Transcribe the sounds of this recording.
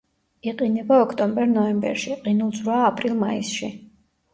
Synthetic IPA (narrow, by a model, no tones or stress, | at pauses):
iqʼinɛbaɔkʰt̪ʼɔmbɛɾnɔɛmbɛ̰ɾʃiqʼinulˠd̪zɾaːpʼɾilˠmaisʃi